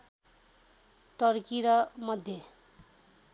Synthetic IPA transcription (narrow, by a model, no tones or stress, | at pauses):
ʈʌrkiɾʌmʌd̪ʱje